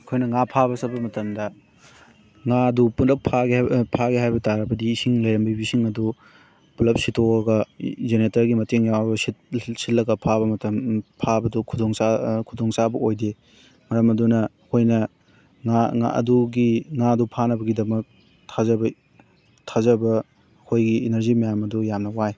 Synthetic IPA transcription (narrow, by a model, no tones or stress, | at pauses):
ɐkʰojnɐŋapʰaβɐsɐbɐmɐtɐmdɐ | ŋadupundɐk̚pʰaɡpʰaɡiɦajbɐtaɾɐbɐdiːsiŋlɐjɾɐmbibisiŋɐdu | pulɐp̚sitʰoɐɡɐzenetɐɾɡimɐteŋjawɐbɐsitsitlːɐɡɐpʰaβɐmɐtɐmpʰabɐdukʰudoŋsakʰudoŋsabɐʔojde | mɐɾɐmɐdunɐ | kʰojnɐ | ŋaŋa̰ʔɐ̰duɡiŋaɐdupʰanɐbɐɡidɐmɐk̚ | tʰazɐbɐ | tʰazɐbɐ | kʰojɡienɐɾzimɐjamɐdujamnɐwaj